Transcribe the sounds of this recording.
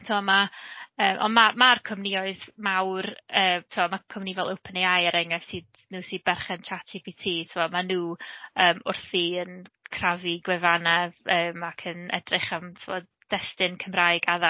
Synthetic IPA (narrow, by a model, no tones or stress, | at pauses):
tʰuwɔmaəːmʔɔ̰nmamarkʰɔmniɔɨðmawrəːmtʰɪvɔmakʰɔmnivɛlˠowpʰəneajəɾɛŋɛv̥sɨːd | nuːsɨːd̚bɛrχɛnt͡ʃʰatʰibitʰiːtʰuɔmanuːəːmʊ̰rθiənkʰraviɡwɛvanɛvəːmakʰənɛ̰drɪχamtʰɪwɔd | d̥ɛstɪnkʰəmrajɡaða